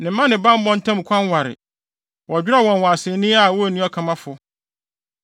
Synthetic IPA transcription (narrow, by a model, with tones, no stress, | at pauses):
nɪ̃˨˦mã˦nɪ̃˨bã˦m˦bɔ̃˦n˦tʰã˦m̩˨kʷʰã˦n˦wa˨ɾɪ̰˨ | wɔ˨d͡ʑᶣɪ˦ɾa˦˨wɔ̃˨nwã˨a˨sɪ˨nĩ˦a˦˨wɔ˦˨nĩ˦ɔ˦kʰã˨mã˦fʊ˨